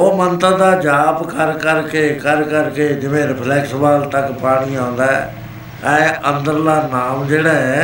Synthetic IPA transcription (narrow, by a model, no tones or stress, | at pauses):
oːmənt̪əd̪aːd͡ʒaːpkəɾkəɾkeːkəɾkəɾkeːd͡ʒɪʋẽːɾɪpʰlɛːksbaːlt̪əkpaːɽ̃iːãːn̆d̪aːɛ̰ː | ɛ̃ənd̪əɾlaːnaːmd͡ʒeːɽaːɦɛ̃ː